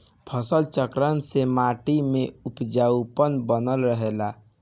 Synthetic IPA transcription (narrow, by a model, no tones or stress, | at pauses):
pʰəsəlt͡ʃəkɾənsemaʈimeupd͡ʒaupənbənəlɾəɦela